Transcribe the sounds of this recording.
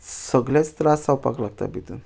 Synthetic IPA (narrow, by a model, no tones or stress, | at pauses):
səɡlet͡st̪ɾasawpa̰klak̚t̪a̰bid̪ṵn